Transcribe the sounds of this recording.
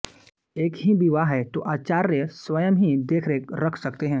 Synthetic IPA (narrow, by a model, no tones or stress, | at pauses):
eːkɦibiʋaɦɛt̪oːʔaːt͡ʃaːɾːjəsʋɐjəmɦid̪eːkʰɾeːkɾɐkʰsɐkt̪eɦɛ̃ː